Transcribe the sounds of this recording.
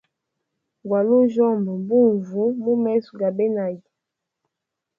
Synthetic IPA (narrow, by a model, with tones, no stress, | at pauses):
ɡwa˨lu˦ʒɔ˦˨mbə˨bu˦ɱ˨vu˨˦mu˦mɛ˦su˨ɡa˨be˦na˨ji˨